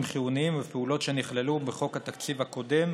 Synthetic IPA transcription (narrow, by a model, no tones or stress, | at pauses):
mχiuniimvepeulo̞tʃe̞niχlelubeχo̞khat̪akt͡sivhako̞d̪e̞m